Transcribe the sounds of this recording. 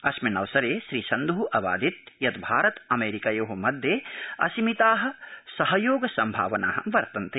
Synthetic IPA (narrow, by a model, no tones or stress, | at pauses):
ɐsmɐnɐʋsɐɾeːʃɾiːsɐnd̪uʔɐʋa̰ːd̪it̪jɐt̪bʱaːɾɐt̪ɐmeːɾikaːjoːɦomɐd̪ʱjeːɐ̰simit̪aːɦɐ̆sɐɦɐjoːɡsɐmbʱa̰ːʋɐna̰ːɦɐ̰̆ʋɐɾt̪ɐnt̪e